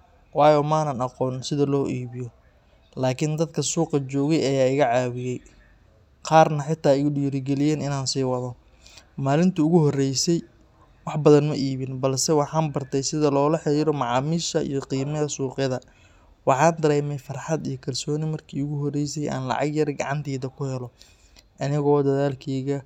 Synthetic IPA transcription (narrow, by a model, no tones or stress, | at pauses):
wɑːjɔːmaːnɐnɑqɔːnsɪðɐlɔːʔiːβɪjɔ | laːkʰɪnd̪ɐd̪kʰɐsuːqɑt͡ʃɔːɣɛjɐjaːɪɣɐʕaːβɪjɛj | qɑːrnɐħɪt̪ʰːaːɪɣʊɗiːɾɪɡɛlɪjɛːnɪnaːnsiːwɑðɔ | maːlɪnt̪ʰɐʊɣʊhɔrɛjsɛj | wɑħbɐðɐnmɐʔiːβɪnbɐlsɛwɑħɑːnbɐrt̪ʰɛjsɪðɐlɔːlɐħɪɾiːɾɔmɑʕɑːmiːʃɐʔḭjɔqiːmɐɐsuːqɪðɐ | wɑħɑːnd̪ɐɾɛːmɛjfɑrħɑd̪ijɞkʰɐlsɔːnɪmɐrkʰiːʊɣʊɦɔrɛjsɛjʔa̰ːnlɑ̰ʕɑ̰ɡjɐrɡɑ̰ʕɑ̰nt̪ʰɛːðɐkʰʊhɛlɔ | ʔɐnɪɣːd̪ɐðaːlkʰɛːɣɐ